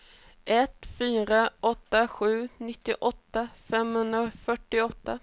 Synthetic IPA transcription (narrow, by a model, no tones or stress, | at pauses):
ʔɛt̪fyːɾaɔt̪ːaɧʉ̟ːnɪt̪ːɪʔɔt̪ːafɛmhɵnd̪ɾafœʈːɪɔt̪ːa